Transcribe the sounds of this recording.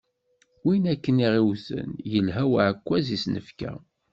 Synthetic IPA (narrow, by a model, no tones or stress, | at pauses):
winækːəniʁiwθə̰njəlɦæwʕəkʷːæzisnəfkæ̰